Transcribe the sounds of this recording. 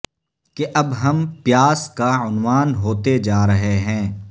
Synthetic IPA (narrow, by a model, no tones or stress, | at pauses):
keʔɐbɦɐmpjaːskaʊnwaːnɦoːt̪ed͡ʒaːɾɐɦeɦɛ̃ː